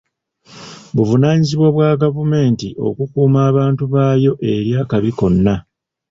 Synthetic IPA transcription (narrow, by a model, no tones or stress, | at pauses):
βuvunaːɲiziβwaβwaːɡavume̞ːntiʔo̞̰kukuːmaːβaːntuβaːjo̞ʔe̞ɾjaːkaβiko̞nːa